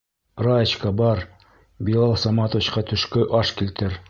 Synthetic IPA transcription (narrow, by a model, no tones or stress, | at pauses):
ɾɑt͡ɕkɑbɑɾ | bilˠɑlˠsɑmɑt̪ŏvʲit͡ɕqɑt̪ɵ̆ʃkɵʔɑʃkilt̪ɘɾ